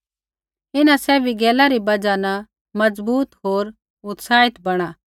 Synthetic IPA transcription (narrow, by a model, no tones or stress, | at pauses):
ɪnãsɛːbʱiɡɛːlaɾibɐd͡ʒanɐ | mɐd͡zbuːt̪ɦoːɾ | ʊt̪saːɪt̪bɐɽ̃aː